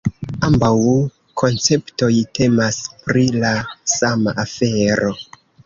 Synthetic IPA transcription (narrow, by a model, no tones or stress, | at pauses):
ambaw | kʰo̞nt͡se̞pto̞jte̞maspɾilasamaʔafe̞ɾo̞